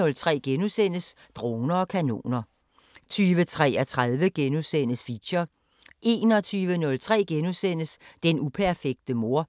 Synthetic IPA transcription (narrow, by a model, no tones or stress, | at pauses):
ɔ̽lt͡sʰʁɛ̰ːɡ̥enusen̰əs | d̥ʁoːnɐɒ̽kʰæno̝̰ːnɐ | t͡sʰyːʋət͡sʰʁɛ̰ːæt͡sʰʁaðˠʋəɡ̥enusen̰əsfi̥ɕɐ | ʔe̝̰ːnɒ̽t͡sʰyːʋənɔ̽lt͡sʰʁɛ̰ːɡ̥enusen̰əsd̥enupʰæɐfeɡ̥̚d̥əmo̝ɐ̰